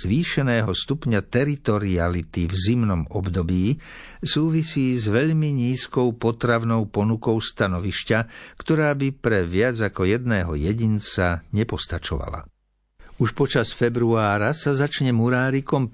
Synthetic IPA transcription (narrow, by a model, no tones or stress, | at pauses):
z̥ʋiːʃɛnɛːɦɔst̪upɲat̪ɛɾit̪ɔɾialit̪ivzimnɔmɔbd̪ɔbiːsuːʋisiːzʋɛʎmiɲiːskɔʊpɔt̪ɾaʋnɔʊpɔnukɔʊst̪anɔʋiʃcakt̪ɔɾaːbipɾɛʋɪad͡zakɔjɛd̪nɛːɦɔ̰jɛɟint͡saɲɛpɔst̪at͡ʃɔ̰ʋa̰la̰ | uʃpɔt͡ʃasfɛbɾuaːɾasazat͡ʃɲɛmuɾaːɾikɔm